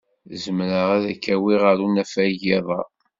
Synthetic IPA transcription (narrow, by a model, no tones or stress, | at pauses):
zəmɾəʁæðækːæwiʁəɾunæfæʝeðˤɑ̰